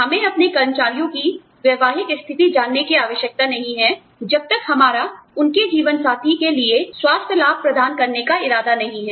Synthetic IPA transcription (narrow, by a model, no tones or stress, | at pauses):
ɦɐmẽɐpnekɐɾənt͡ʃaːɾijõki | ʋjɐʋaːɦɪkɪst̪ʰɪt̪id͡ʒaːnːekiaːʋəʃjək̚t̪anɐɦĩɦɛ | d͡ʒɐb̚t̪ɐkɦɐmaːɾaʊnked͡ʒiːʋənsaːt̪ʰikelieswaːst̪ʰjəlaːb̚pɾɐd̪ʱaːnkɐɾnekaɪɾaːd̪anɐɦĩɦɛː